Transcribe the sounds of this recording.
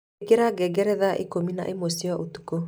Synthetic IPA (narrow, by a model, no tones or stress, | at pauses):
ɡeɾaɡɛɡɛɾɛðaʔḛkomina̰ʔemosiɔʔotuko